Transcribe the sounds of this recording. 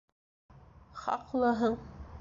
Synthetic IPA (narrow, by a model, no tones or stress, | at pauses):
χɑ̰qlˠɤɦɤɴ